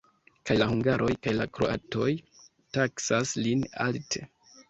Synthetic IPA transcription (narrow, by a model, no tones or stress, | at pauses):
kajlahuŋɡaɾʔo̞jkajlakɾo̰ʔa̰to̞j | taksaslina̰ltʰe̞